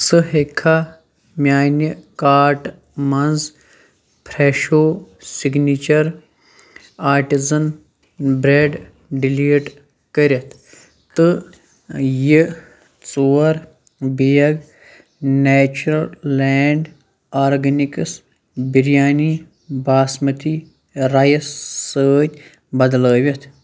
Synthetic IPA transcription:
sɨɦekʰːa | mʲjaːnikaːɾʈ | mɐnz | pʰɾeːʃoːsiɡnit͡ʃɐɾ | aːɾʈizɐn | bɾeːɖ | ɖiliːʈ | kɐɾʲɐt̪ʰ | t̪ɨ | ji | t͡soːɐɾ | bijɐɡ | nɛːt͡ʃɾɐlːeːɳɖ | aːɾɡɐnikɐs | biɾijaːni | baːsmɐt̪ʰi | ɾajɐssəːt̪ʲ | bɐd̪ləːʋʲɐt̪ʰ

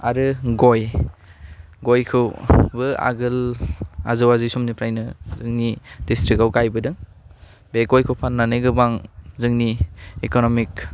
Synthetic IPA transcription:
aɾɯɡoj | ɡojkʰɯwbɯa̰ɡɯla̰zɯwazɯjsɔmnipʰɾajnɯzɯŋnidistɾikawɡajbɯdɯŋ | beɡojkʰɯwpʰanːanɯjɡɯbaŋzɯŋniekonɔmik

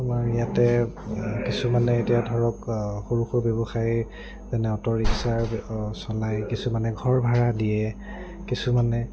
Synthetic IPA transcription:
maɹijatɛ | kisumanɛetijadʱɔɹɔkxoɹuxɔɹbjɔbɔxaj | zɛnɛɔtɔɹiksaɹsɔlajkisumanɛɡʱɔɹbʱaɹadijɛ | kisumanɛ

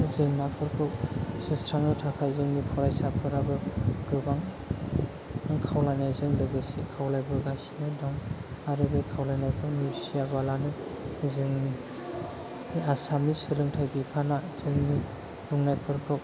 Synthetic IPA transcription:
zɯŋnapʰɯɾkʰɯk̚sɯstʰɾaŋnɯtʰapʰajzɯŋnipʰɔɾajsapʰɯɾabɯɡ̥ɯbaŋ | aŋkʰawlajnajzɯŋdɯɡɯsikʰawlajbɯɡasinajdɔŋ | aɾɯbɯjkʰawlajnajkʰɯnusijabalanɯzɯŋni | iasamisɯlɯŋtʰajbipʰanaz̥ɯŋni | zuŋnajpʰɯɾkʰɯk̚

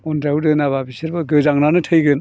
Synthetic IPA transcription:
ɔndɾawdɯnaβabisiɾbaɡɯzaŋnanɯtʰɯjɡɯn

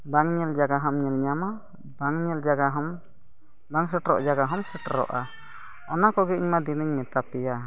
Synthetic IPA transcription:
baŋɲɛld͡ʒaɡaɦɔmɲɛlɲama | baŋɲɛld͡ʒaɡaɦɔm | baŋsɛʈɾɔ̰ʔd͡ʒaɡaɦɔmsɛʈɾɔ̰ʔa | ɔnakɔɡɛiɲmad̪inəɲmɛt̪apɛja

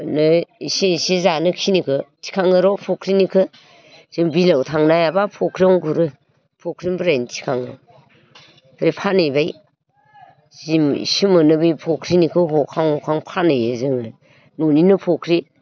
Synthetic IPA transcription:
nɯisiisizanɯkʰinikʰɯtʰi̥kʰaŋɯɾɔpʰokʰɾinikʰɯ | z̥ɯŋbilawtʰaŋnajabapʰokʰɾiɔŋɡuɾɯ | pʰokʰɾimbɾajntʰi̥kʰaŋɯ̰ | b̥ʰɾipʰanɯjbaj | zimḭsimɯnɯbɯjpʰokʰɾinikʰɯɦɔkʰaŋɔkʰaŋpʰanɯjɯzɯŋɯ | nuninɯpʰokʰɾi

